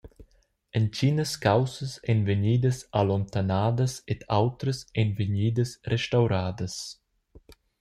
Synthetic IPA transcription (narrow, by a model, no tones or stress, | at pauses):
ənt͡ʃinəskawsəsɛnvəɲiːd̪əsalont̪anaːd̪əsɛt̪ʰawt̪ɾəsɛnvəɲiːd̪əsrɛʃt̪awɾaːd̪əs